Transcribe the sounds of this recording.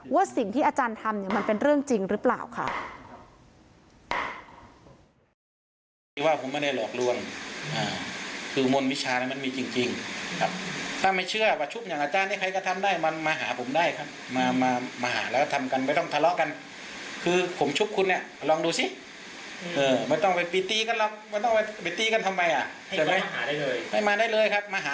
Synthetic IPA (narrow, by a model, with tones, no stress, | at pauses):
wa˦˧˥si˨˩ŋt̪ʰiː˥˩ʔaː˧t͡ɕaː˧nt̪ʰa˧mni˧˩ɐma˧npe˧nɾɯ˥˩əŋt͡ɕi˧ŋɾɯː˦˥pla̰ː˨˩wkʰa̰˥˩ʔ | t̪ʰiː˧˩waː˧˩pʰo˩˦mːɛ˧˥˨da˧˩lɔː˨˩k̚lu˧əŋʔaː˧˩kʰɯː˧mo˧˨nwi˦˥t͡ɕʰaː˧na˧˨ma˧˥˨miː˧˩t͡ɕi˧ŋt͡ɕi˧ŋkʰa˦˧˩p̚t̪ʰaː˧˩ma˧˩jt͡ɕʰɯ˧˩ɐwaː˧˩t͡ɕʰu˧˥p̚ɲa˨˦ŋʔaː˧t͡ɕaː˧nːiː˧˩kʰa˧jka˧˩t̪ʰa˧mdaː˧˥˩jma˧nmaː˧ɦaː˩˦pʰo˨˩˦mdaː˧˩jkʰa˧˥p̚maː˧maː˧maː˧ha̰ː˩˦lkt̪ʰa˧mka˧˨npa˧˩jt̪ɔ˧˥˩ŋt̪ʰa˧lɔ˧ʔka˧n | kʰɯː˧pʰo˨˩˦mt͡ɕʰu˧˥˩p̚kʰu˧nːi˧˩ə˧˩lɔː˧˨ŋduː˧si˧˦ | ʔɤː˧˩ma˧˩jt̪ɔ˥˩ŋpa˨jpi˧t̪iː˧ka˧nlɔ˧k̚ma˧˩˨t̪ɔ˥˩ŋpa˧˩pa˨˩jt̪iː˧ka˧˨nt̪ʰa˧ma˧jʔa˧˩ | a˧˩mma˦˥ja˥˧˨lːha˥˩jmaː˧daː˥˩jlɤː˧jkʰa˧˥p̚maː˧ɦaː˨˧˦